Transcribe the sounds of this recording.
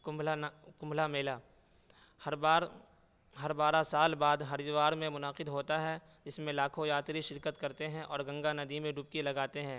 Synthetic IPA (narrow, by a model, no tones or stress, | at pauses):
kʊlakʊ̃mblameːlaː | hɐɾbaːɾ | ɦɐɾbaːɾasaːlbaːd̪ɦɐɾɪd̪ʋaːɾmẽmʊnaqɪd̪ɦoːt̪aɦɛ | d͡ʒɪsmẽlaːkʰojaːt̪ɾiʃɪɾkət̪kɐɾt̪eɦɛ̃ʔɔːɾɡɐ̃ŋɡanɐd̪imẽɖʊpkilɐɡaːt̪eɦɛ̃ː